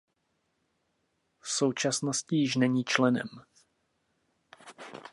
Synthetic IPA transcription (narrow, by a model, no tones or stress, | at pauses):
fso̞wt͡ʃasnoscɪjɪʃ̬nɛɲiːt͡ʃlɛnɛ̰m